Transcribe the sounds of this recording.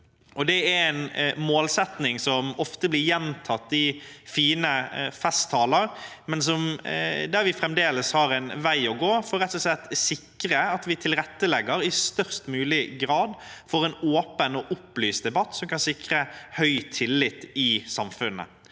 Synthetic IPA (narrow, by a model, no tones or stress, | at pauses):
ʔɔd̪ɛæɾɛnmoːlsɛt̪nɪŋsɔmɔft̪əblɪɾjɛnt̪ʰɑt̪ːɪfiːnəfɛst̪ʰːɑːləɾmɛnsɔmd̪æɾʋɪfɾɛmd̪eːləshɑɾɛnʋæɪɔɡoːfɔːɾɛt̪ːʊsɛt̪ːsɪkːɾəɑt̪ʋɪt̪ʰɪlɾɛt̪ːəlɛɡːəɾɪst̪œʁst̪mʉːlɪɡɾɑːd̪fɔɾɛnoːpənɔʔʊplyːsd̪ɛbɑt̪ːsɔmkɑnsɪkɾəhœʏt̪ʰɪlːɪt̪ːɪsɑmfʉnːə̰